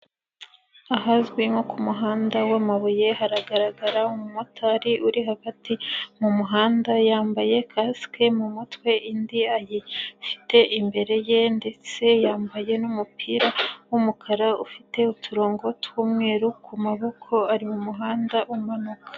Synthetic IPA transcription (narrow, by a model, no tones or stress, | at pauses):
aɦazɡwimokumuɦaːndawamaβoje̞haɾaɡaɾaɡaɾaumumotaɾiuɾiɦaɡatimumuɦaːndajaːmbaje̞kʰaske̞mumutwe̞ʔindiajifi̥te̞ʔimbe̞ɾe̞je̞nde̞t͡se̞jaːmbaje̞numupʰiːɾawumukʰaɾaufite̞utʰuɾo̞ːŋɡo̞twuːmŋe̞ːɾukʰumaβo̞kʰo̞aɾimumuɦaːndaʔumanukḁ